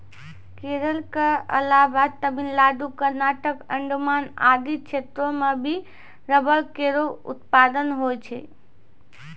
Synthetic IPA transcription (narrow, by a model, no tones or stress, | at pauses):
keɾəlkeəlabat̪əbʱinlad̪ukəɾnaʈəkəɳɖumana̰d̪it͡ʃʰet̪ɾomebʱi | ɾəbəlkeɾoṵt̪pad̪ənɦojt͡ʃʰɛ̰